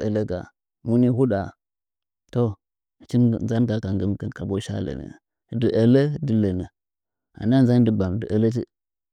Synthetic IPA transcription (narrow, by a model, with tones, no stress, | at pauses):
ə˨lə˦ɡa̰˨ | mu˦ni˦hu˦ɗa˨ | to˦˨ | t͡ʃi˦n˨nza˦nɡa˨ka˨ŋɡə˦mkə˦nka˨bo˦ʃa̰˦lə̰˨nə̰˨ | də˨ʔə˨lə˦də˨lə˨nə˨ | a̰˨na˦nza˦n˦də˨ba˨mdə˨ʔə˨lə˦t̬ḭ˦